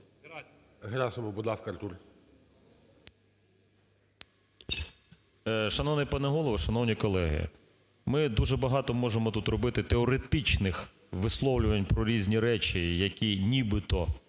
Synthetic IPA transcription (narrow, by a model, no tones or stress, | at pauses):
ɦɾʲɑsʊmɔbʊd̪lˠɑskɐrt̪uɾ | ʃɐnɔʋnɛpɐnɛɦɔlˠɔʋɐʃɐnɔwnʲikɔlˠɛɦɪ̰ | mɪd̪uʒɛbɐɦɑt̪ɔmɔʒemɔt̪ut̪rɔbɪt̪ɪt̪eɛɔɾet̪ɪt͡ʃnɪx | ʋɪslˠɔwlʲʊʋɐnʲpɾɔɾʲizʲnʲiɾɛt͡ʃijɐkʲinʲibɪt̪ɔ